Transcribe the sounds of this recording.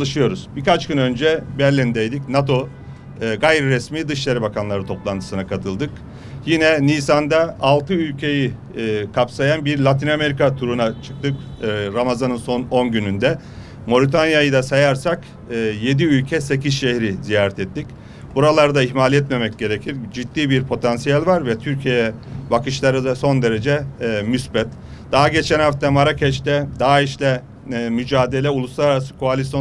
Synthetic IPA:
alˠɯʃɯjo̞ɾuz̥bikat͡ʃcynø̞nd͡ʒɛbɛɾlʲind̪ɛjd̪icnat̪ʰo̞ | ɡajɾiɾɛsmiːd̪ɯʃ̬lˠaɾɯbakʰanlˠaɾɯt̪ʰo̞plˠant̪ʰɯ̥sɯnakʰat̪ʰɯlˠd̪ɯk | jinɛniːsand̪aalˠt̪ʰɯylʲcʰe̞ji | kʰapsajanbiɾlʲˠat̪ʰiname̞ɾikat̪ʰuɾunat͡ʃʰɯ̥k̚t̪ʰɯkː | ɾamazanɯnso̞no̞nɟynynd̪ɛ | mo̞ɾit̪ʰanjajɯd̪asajaɾsakː | je̞d̪iylʲcʰɛse̞cʰizʃɛhɾizijaːɾɛt̪ʰɛt̪ːic | buɾalˠaɾd̪aiçmalʲɛt̪memɛcɟe̞ɾecʰiɾd͡ʒid̪ːiːbiɾpʰo̞t̪ʰansijalʲvaɾvɛt̪ʰyɾcʰijɛbakʰɯʃlˠaɾɯd̪aso̞nd̪e̞ɾed͡ʒɛmysbɛt̪ | d̪̥aɦaɟe̞t͡ʃʰænhaft̪ʰamaɾacʰɛʃt̪ɛd̪aɦaiʃlʲɛ | myd͡ʒaːd̪e̞lʲɛulˠuslˠaɾaɾasɯ̥kʰoalʲisjo

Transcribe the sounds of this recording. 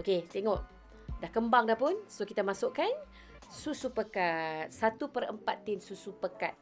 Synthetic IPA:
oket̪eŋɔʔ | dahkəmbaŋdahpʊnsokit̪amasʊʔkan | susupəkat̪̚sat̪upərə̰mpat̪ːinsusupəkat̪̚

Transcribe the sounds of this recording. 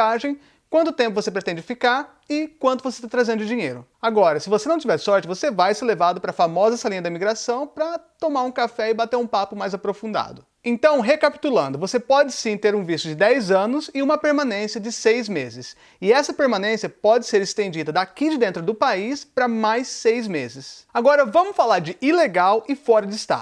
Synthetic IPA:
aʒẽj̃ | kwɐ̃nt̪ʊt̪ẽmpʊvosep̬ɾet̪ẽnd͡ʒɪfikaɾ | ɪkwɐ̃nt̪ʊvosest̪at̪ɾazẽnd̪ʊɪd͡ʒiɲejɾʊ | aɡɔɾɐsɪvosenɐ̃t͡ʃivɛɾsɔɾt͡ʃɪvosevajsɪlevad̪ʊpɾɐfamɔzɐsalĩɲɐd̪ɐimiɡɾasɐ̃w̃pɾɐt̪omaɾũkafɛɪbat̪eɾũpapʊmajzapɾofũnd̪a̰d̪ʊ | ẽnt̪ɐ̃w̃ɦekapi̥t̪ulɐ̃nd̪ʊvosepɔd͡ʒɪsĩt̪eɾũvist̪ʊd͡ʒɪd̪ɛjzɐ̃nʊzɪũmɐpeɾmãnẽsiɐd͡ʒɪsejzmezɪs | ɪɛsɐpeɾmãnẽsiɐpɔd͡ʒɪseɾɪst̪ẽnd͡ʒid̪ɐd̪akid͡ʒɪd̪ẽnt̪ɾʊd̪ʊpaispɾɐmajsːejzmezɪsaɡɔɾɐvɐ̃mʊsfalaɾd͡ʒɪʔileɡawɪfɔɾɐd͡ʒɪst̪a̰

